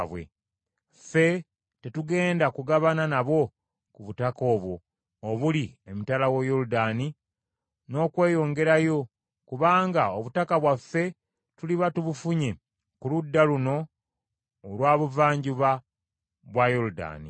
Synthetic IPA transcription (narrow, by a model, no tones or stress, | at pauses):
βwe̞̰ | fe̞ | te̞tuɡe̞ːndakuɡaβananaβo̞ | kuβutako̞ːβwo̞ː | βuliemitalawo̞joludaːni | no̞kwe̞ːjo̞ːŋɡe̞ɾajo̞ | kuβaːŋɡaoβutakaβwafːe̞ | tuliβatuβufuɲe̞ | kuludːaluno̞ː | lwaːβuvaːɲɟuβa | βwajoluda̰ːnḭ